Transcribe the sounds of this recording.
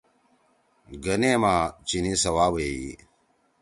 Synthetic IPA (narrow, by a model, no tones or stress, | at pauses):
ɡɐneːmaːt͡ʃiniːsɐwaːwei